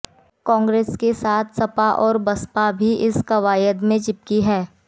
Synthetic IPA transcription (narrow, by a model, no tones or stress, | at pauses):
kɔ̃ːŋɡɾeːskesaːt̪ʰsɐpaʔɔːɾbɐspabʱiʔɪskɐʋaːjəd̪mẽt͡ʃɪp̚kiɦɛː